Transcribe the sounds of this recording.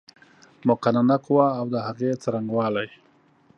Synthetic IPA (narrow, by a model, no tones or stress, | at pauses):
mʊqananaqwaːwd̪əhaɣet͡saɾaŋɡwɑːlaj